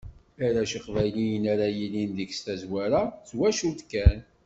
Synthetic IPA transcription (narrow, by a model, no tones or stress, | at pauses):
æɾæʃiqvæjlijənaɾajilind̪əɡst̪æzwæɾat͡sːwæʃut̪kːæn